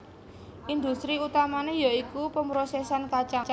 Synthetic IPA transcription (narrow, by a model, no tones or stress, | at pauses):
ʔind̪ust̪ɾiut̪amanejaikupəmbɾosɛsankat͡ʃa